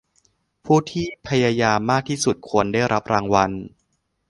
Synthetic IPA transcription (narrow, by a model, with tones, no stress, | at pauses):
pʰuː˥˩t̪ʰiː˥˩pʰa˧jaː˧jaː˧mːaː˥˩k̚t̪ʰiː˥˩su˨˩t̪̚kʰu˧əndaː˥˩jɾʔa˦˥p̚ɾaː˧ŋwa˧n